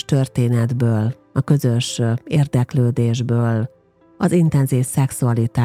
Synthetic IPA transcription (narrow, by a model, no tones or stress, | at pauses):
ʃt̪ø̞rt̪eːnɛd̪bøːl | ɒkø̞zø̞ʃeːrd̪ɛkløːd̪eːʒbøːl | ɒzint̪ɛnziːfsɛksuɒlit̪aː